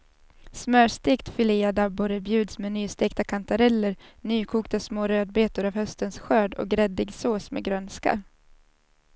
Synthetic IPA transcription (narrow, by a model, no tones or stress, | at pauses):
smœːʂt̪eːkt̪fʏliːad̪abːʊɾəbjʉ̟ːd̪smeːnyːst̪eːk̚t̪akʰant̪aɾɛlːəɾnyːkʰuːkt̪asmoːɾøːd̪̚beːt̪ʊɾavhœst̪ənsɧøːɖɔ̰k̚ɡɾɛd̪ɪɡsoːsmḛɡɾœnska̰